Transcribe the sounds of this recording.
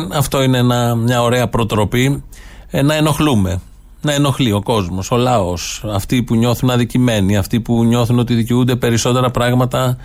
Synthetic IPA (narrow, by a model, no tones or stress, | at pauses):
ɐft̪o̞ineenɐmɲɐo̞ɾe̞ɐpɾo̞t̪ɾo̞pi | nɐe̞no̞xlume̞ | nɐeno̞xlio̞ko̞zmo̞so̞lɐo̞sɐft̪ipuɲo̞θunɐðicime̞niɐft̪ipuɲo̞θuno̞t̪iðiceund̪e̞pe̞ɾiso̞t̪e̞ɾɐpɾɐɣmɐt̪ɐ